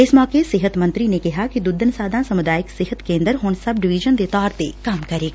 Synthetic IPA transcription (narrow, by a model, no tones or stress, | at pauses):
ɪsmɔːkesɪɦət̪mɐ̃nt̪ɾinekɪɦakid̪ʊd̪ənsaːd̪ãsɐmʊd̪aːjɪksɪɦət̪kẽːnd̪əɾɦoːnsɐbɖɪʋiʒənd̪et̪aːɾt̪ekaːmkɐɾeːɡ